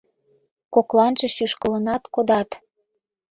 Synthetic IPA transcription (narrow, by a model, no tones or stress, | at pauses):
koklɑnʒĕʃyʃkə̆lə̆nɑt̪kod̪ɑt̪